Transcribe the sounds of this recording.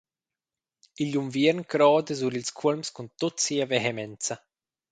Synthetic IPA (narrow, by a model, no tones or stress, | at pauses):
iʎumviəɾnkɾɔːd̪əzuɾilskʰulmskunt̪ɔtsiːɐvɛɦɛmɛnt͡sɐ